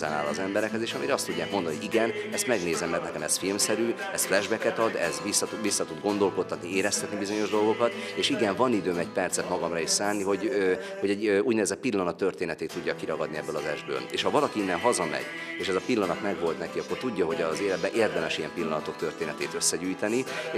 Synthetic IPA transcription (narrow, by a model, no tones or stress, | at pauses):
ɛna̰ːlɒzɛmbɛɾɛkɛt̪eːʃɒmiɾɛɒst̪uɟːaːk̚mond̪ɒnhoɟiɡɛnɛst̪mɛɡneːzɛmːɛrt̪ɛkɛmɛsfilmsɛɾyːɛsflɛʒbɛkɛt̪ɒd̪ɛzʋisːɒʋisːɒt̪ud̪ɡo̞nd̪o̞lko̞t̪ːɒt̪nieːɾɛst̪ɛt̪nibizo̞ɲo̞ʒd̪o̞lɡo̞kɒt̪eːʃiɡɛɱvɒnid̪øːmɛcpɛrt̪sɛt̪mɒɡɒmrɒiʃsaːnːiɦo̞ɟø | ho̞ɟɛɟuːɟneːzɛt̪pilːɒnɒt̪ːørt̪eːnɛt̪eːt̪ːuɟːɒkiɾɒɡɒd̪niɛbːølɒzɛʒbø̰ːleːʃhɒvɒlɒkiinːɛnɦɒzɒmɛ̰ɟ | eːʃɛzɒpilːɒnɒt̪mɛɡʋo̞lt̪nɛkiɒkːo̞rt̪uɟːɒɦo̞ɟɒzeːlɛd̪̚bɛnʔeːrd̪ɛmɛʃijɛmpilːɒnɒt̪o̞k̚t̪ø̞rt̪eːnɛt̪eːt̪øsːɛɟyːjt̪ɛni